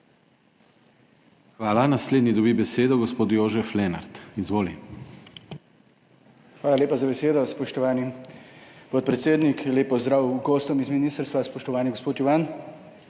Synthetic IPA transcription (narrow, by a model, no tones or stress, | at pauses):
xʋaːlanasleːd̪nid̪ɔbibɛseːd̪ɔɡɔspoːt̪joːʒɛflɛna̰ɾt̪izʋoːli | xʋaːlaleːpazabɛseːd̪ɔspɔʃt̪ɔʋaːni | pɔt̪̚pɾɛt̪seːd̪nikleːpɔzd̪ɾaːwɡɔːst̪ɔmizminiːst̪əɾst̪ʋaspɔʃt̪ɔʋaːniɡospoːt̪juʋaːn